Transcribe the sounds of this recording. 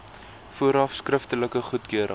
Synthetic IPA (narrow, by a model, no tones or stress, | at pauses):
fuəɾɑfskrəftələkəχutkøəɾʔə̰